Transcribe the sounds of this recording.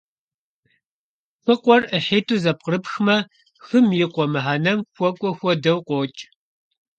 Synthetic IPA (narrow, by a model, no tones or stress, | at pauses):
fɨqʷʼɔrəħeːtʰuːzɐp̚qərɨpxmɐ | xɨmjɪqʷɔmɨħaːnɐmxʷɔkʷʼɔxʷɔdɐwqʷʼoːt͡ʃʼ